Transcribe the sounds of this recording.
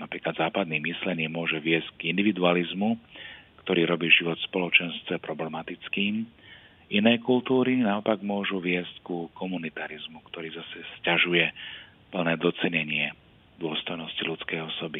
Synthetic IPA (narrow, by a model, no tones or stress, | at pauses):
napɾiːklad̪zaːpad̪niːmislɛɲɪɛːmʊɔʒɛʋɪɛscɡind̪iʋid̪ualizmukt̪ɔɾiːɾɔbiːʒiʋɔt̪spɔlɔt͡ʃɛnst̪ʋɛpɾɔblɛmat̪it͡skiːm | inɛjkult̪uːɾinaɔpaɡmʊɔʒuʋɪɛsckukɔmunit̪aɾizmukt̪ɔɾiːzasɛscaʒujɛ | pl̩nɛːd̪ɔt͡sɛɲɛɲɪɛ | d̪ʊɔst̪ɔjnɔscilut͡skɛjɔsɔbi